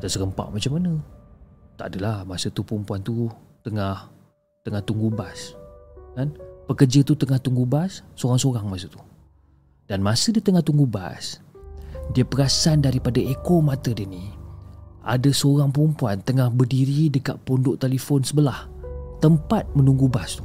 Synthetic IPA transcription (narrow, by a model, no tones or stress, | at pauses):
d̪asəɾəmpa̰ʔmat͡ʃamːanə̃ | t̪aʔadəlahmasət̪upəɾumpuant̪ut̪əŋah | t̪əŋaht̪uŋɡubaskanpəkərd͡ʒət̪ut̪əŋaht̪uŋɡubasːoɾaŋsoɾaŋmasət̪u̥ | d̥anmasədit̪əŋaht̪uŋɡuba̰s | diəpəɾasandaɾipadaekomat̪ədini | ʔa̰dəsoɾaŋpəɾumpuant̪əŋahbərdiɾidəka̰ʔ̪̚pondʊʔt̪eləfonsəbəlaht̪əmpat̪̚mənuŋɡubast̪u̥